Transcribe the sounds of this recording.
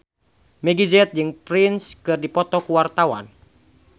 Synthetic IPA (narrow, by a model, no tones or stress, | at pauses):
mɛɡizɛt̪̚d͡ʒɨŋpɾɪnskɨrdipɔt̪ɔkuwart̪awa̰n